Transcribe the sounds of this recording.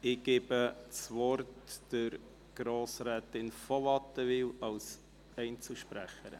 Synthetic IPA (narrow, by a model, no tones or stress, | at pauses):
ɪɡ̥eːbət͡sʋɔrtd̥əɾ | ɡ̥ɾoːsɾɛːtɪnfɔʋɑt̪əʋɪwɑls | ɛɪnt͡suʃpɾæ̰χəɾə̰